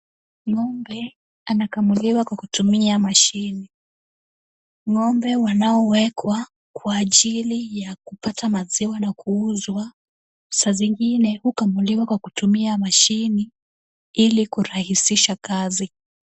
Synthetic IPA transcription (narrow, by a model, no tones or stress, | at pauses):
ŋɔmbɛ | anakamuliwakwakutumiamaʃini | ŋɔmbɛwanaɔwɛkʰwa | kwaːʄilijakupatʰamaziwanakuuzwa | saziŋɡinɛhukamuliwakwakutumiamaʃini | ilikuɾahisiʃakazi